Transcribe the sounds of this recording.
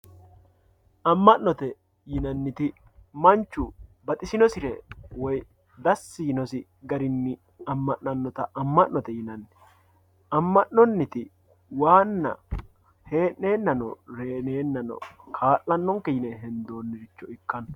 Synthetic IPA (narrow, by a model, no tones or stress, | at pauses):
ʔɐmːɐnːɔt̪ɛ | jɪnɐnːɪt̪ɪ | mɐnt͡ʃːʊbɐt̪ʼɪsɪnɔsɪɾɛwɔj | d̪ɐsːɪjɪnɔsɪ | ɡɐɾɪnːɪ | ɐmːɐnːɐnːɔt̪ɐʔɐmːɐnnɔt̪ɛjɪnɐnːɪ | ɐmːɐnːɔnːɪt̪ɪ | waːnːɐ̰ | he̞ːne̞ːnːɐnɔ̰ɾeːne̞ːnːɐnɔ̰kʰaːlːɐnːɔŋkɛjɪnɛɦɛnd̪oːnːɪɾɪt͡ʃːɔɪkːɐnɔ̥